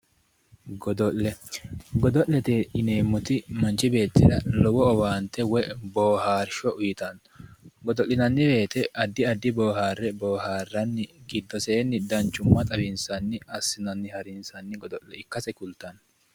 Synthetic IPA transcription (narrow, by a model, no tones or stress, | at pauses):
ɡɔd̪ɔʔɛɡɔd̪ɔʔlːɛt̪eɪne̞ːmːʊt̪ɪmɐnt͡ʃːɪbe̞ːt̪ːɪd̪ɐlɔwɔɔwaːnt̪ːɛwɛboːhaːɾʃɔʊjɪt̪ɐn | ɡɔd̪ɔlːɪnɐnːɪbe̞ːt̪ɛʔɐd̪ːɪɐd̪ːɪbo̞ːɦaːrːɛboːɦaːrːɐnːɪɡɪd̪ːɔseːnːɪd̪ɐnt͡ʃːʊmːɐt̪ʼɐbɪnsɐnːɪɐsːɪnɐnːɪhɐɾɪnsɐnːɪɡɔd̪ɔlːɛɪkːɐsɛkʊlt̪ːɐn